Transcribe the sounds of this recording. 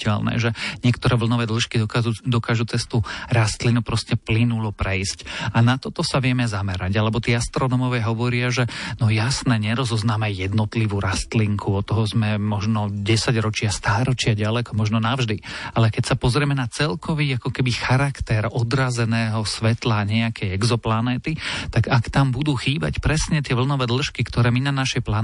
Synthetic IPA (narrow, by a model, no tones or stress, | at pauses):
ɛlnɛ̰ʒɛɲɪɛkt̪ɔɾɛːʋl̩nɔʋɛːd̪l̩ʃkiɔkud̪ɔkaːʒut͡sɛst̪uɾast̪linupɾɔscɛplinulɔpɾɛjscanat̪ɔt̪ɔsaʋɪɛmɛzamɛɾaɟalɛbɔt̪iːast̪ɾɔnɔːmɔʋɛːɦɔʋɔɾɪaʒɛnɔjasnɛːɲɛɾɔzɔznaːmɛjɛd̪nɔt̪liʋuːɾast̪liŋkʰuɔt̪ːɔɦɔzmɛmɔʒnɔɟɛsaɟɾɔt͡ʃɪast̪aːɾɔt͡ʃɪaɟalɛkɔmɔʒnɔnavʒd̪ialɛkɛcsapɔzɾɪɛmɛnat͡sɛlkʰɔʋiːakɔkɛbixaɾakt̪ɛɾɔd̪ɾazɛnɛːɦɔsʋɛt̪laɲɛakʰɛjɛɡzɔplanɛːt̪it̪aɡakt̪ambud̪uːxiːba̰cpɾɛsɲɛt̪ɪɛʋl̩nɔʋɛːd̪l̩ˠʃkikt̪ɔɾɛːminanaʃɛjpla